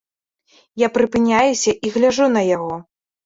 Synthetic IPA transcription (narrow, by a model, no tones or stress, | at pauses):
japɾɨpɨnʲajusʲɐʔiɣlʲaʐunɐjaɣɔ